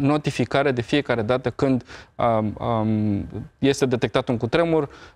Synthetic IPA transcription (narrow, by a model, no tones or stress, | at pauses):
no̞t̪ifikaɾed̪e̞fie̞kaɾe̞d̪at̪əkɨnd̪ | je̞st̪e̞d̪e̞t̪e̞k̚t̪at̪ɨŋkut̪ɾe̞murʲ